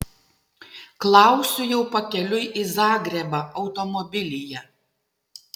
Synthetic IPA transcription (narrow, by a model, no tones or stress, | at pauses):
klˠɑˑʊsʲʊjɛʊpɐkʲɛlʲʊɪʔizɑːɡɾʲɛbɑʔɒʊt̪ɔmɔbʲɪlʲɪjɛ